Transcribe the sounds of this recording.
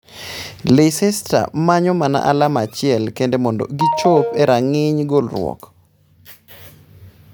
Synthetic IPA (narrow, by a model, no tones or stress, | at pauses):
lesɛstɾa̰maɲɔmana̰ʔalamat͡ʃɪɛlkendemɔndɔ̰ɡit͡ʃopeɾaŋɪɲɡolrwɔ̰k